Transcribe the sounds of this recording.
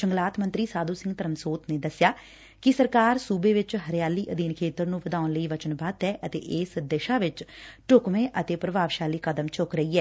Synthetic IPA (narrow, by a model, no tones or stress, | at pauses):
t͡ʃəŋɡlaːt̪mənt̪ɾiːsaːd̪uːsɪ̃ŋɡt̪əɾəmsoːt̪neːd̪əsjaː | kɪsəɾkaːɾsuːbeːʋɪt͡ʃɦəɾjaːliːʔəd̪iːnkʰeːt̪əɾnũːʋəd̪aːʊnləiːʋət͡ʃənbaːt̪ɛːʔət̪ḛːʔeːsd̪eʃaːʋɪt͡ʃʈʊkʋẽːʔət̪eːpɾəbaːʋʃaːliːkəd̪əmt͡ʃʊkɾəiːɛː